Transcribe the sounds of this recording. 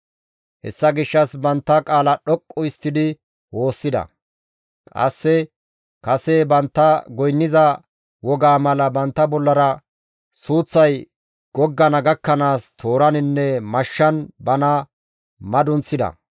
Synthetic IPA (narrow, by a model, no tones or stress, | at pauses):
hɛ̰sːɐɡɪʃːɐsbɐnt̪ːɐkʼaːlɐɗɔkʼːʊɪst̪ːɪd̪ɪ | wo̞ːsːɪd̪ɐ̰ | kʼɐ̰sːɛ | kɐsɛbɐnt̪ːɐɡɔjnːɪzɐ | wɔɡaːmɐlɐbɐnt̪ːɐbɔlːɐɾɐ | suːt͡sːɐj | ɡ̥ɔɡːɐnɐɡɐkːɐnaːst̪ʰo̞ːɾɐnɪnːɛmɐʃːɐnbɐnɐ | mɐd̪ʊnt͡sːɪd̪ɐ̰